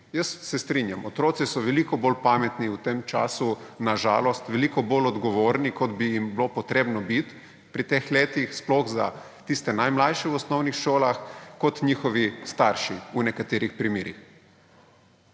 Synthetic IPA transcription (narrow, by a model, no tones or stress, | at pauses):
jəsːɛst̪ɾinjamʔɔt̪ɾoːt̪sisɔʋɛlikɔbolpamɛt̪niut̪emt͡ʃa̰ːsunaʒa̰ːlɔst̪ʋɛlikɔbolɔd̪ɡɔʋoːɾnikɔd̪bijimbilopɔt̪ɾeːbnɔbit̪ | pɾit̪exleːt̪ixsplɔɣza̰ | t̪ist̪ɛnajmlajʃɛwɔsnɔwnixʃoːlaxkɔt̪ɲiːxɔʋist̪aɾʃiunɛkat̪eːɾixpɾimeːɾḭx